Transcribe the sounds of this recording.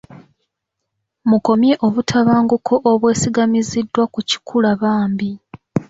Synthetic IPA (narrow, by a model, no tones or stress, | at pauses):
muko̞mje̞ʔo̞βutʰaβaːŋɡukʰo̞ʔoβwe̞ːsiɡamizidːwakuci̥kʰulaβaːmbi